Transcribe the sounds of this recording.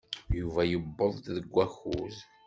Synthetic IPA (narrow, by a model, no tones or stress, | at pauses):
juvæjəbːəðˤðəɡʷːæxṵz